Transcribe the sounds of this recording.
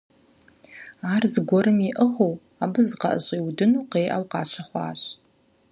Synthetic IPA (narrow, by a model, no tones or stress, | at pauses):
aːrzɨɡʷɔɾɨmiʔəʁow | aːbɨzɨqɐ̰ʔə̰ɕʼiːwdɨnuːqeːʔɐ̰wqɑːɕɐχʷɑ̰ːɕ